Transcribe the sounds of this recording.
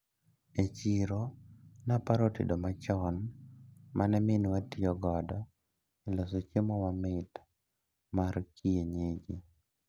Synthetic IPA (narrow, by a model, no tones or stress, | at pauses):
et͡ʃiɾonapaɾotḭdomat͡ʃɔn | mʔanɛmɪnwatiɔɡɔda | ɪlosot͡ʃemɔwamɪt | markʰieɲed͡ʒi